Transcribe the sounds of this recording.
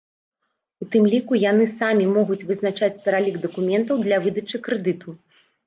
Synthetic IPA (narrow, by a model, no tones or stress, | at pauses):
ut̪ɨmlʲikujanɨsamʲimɔɣut͡sʲvɨznat͡ʂat͡sʲspʲɐɾalʲiɡd̪ɐkumʲɛnt̪ɐwd̪lʲɐvɨd̪ɐt͡ʂɨkɾɨd̪ɨt̪ʰu